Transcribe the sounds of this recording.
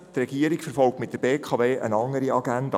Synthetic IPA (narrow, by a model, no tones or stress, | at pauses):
trɛɡiəɾikfəɾfɔlˠk̚tmɪt̚d̥əb̥eːkʰɑveːʔənɑŋəɾiɑɡænd̥ɑ